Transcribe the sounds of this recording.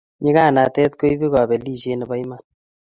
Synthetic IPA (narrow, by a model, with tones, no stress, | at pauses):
ɲɪ˦ka˦˨na˨tɛ˦t̪̚ko˦i˦bi˦ka˨bɛ˨li˦˨ʃe˦ne˨ba˦jma˨n